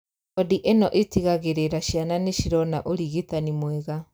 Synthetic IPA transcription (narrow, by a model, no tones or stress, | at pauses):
ɔdiʔenɔʔetiɣaɣeɾeɾaɕjananeɕiɾɔna̰ʔoɾiɣetanimwɛɣa